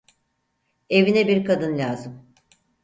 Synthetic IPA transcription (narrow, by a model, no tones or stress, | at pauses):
e̞vinɛbiɾkʰad̪ɯnlʲaːzɯm